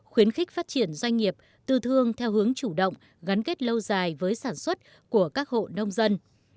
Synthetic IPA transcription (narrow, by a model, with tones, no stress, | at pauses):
xwi˨˦ənxï˦˥k̟̚faː˦˥t̚t͡ɕi˧˩ənzwa˧jŋ̟ŋi˨˩əp̚ | t̪ɨ˧t̪ʰɨ˧əŋt̪ʰɛ˧wɦɨ˨˦əŋt͡ɕu˧˩ɗə̰˧˨wŋ͡m | ɣa˨˦nke˦˥t̚lə˧wzaː˨˩jvəː˨˦jsaː˧˩nswə˦˥t̚ | ku˧˩əkaː˦˥k̚ho̰˧˨nə˧wŋ͡mzə˧n